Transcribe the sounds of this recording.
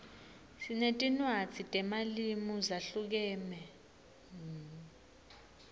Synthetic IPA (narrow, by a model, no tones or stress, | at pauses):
sinetʼinwḁt͡sʰitʼɛmalimuzaɬuk̬ɛːmɛ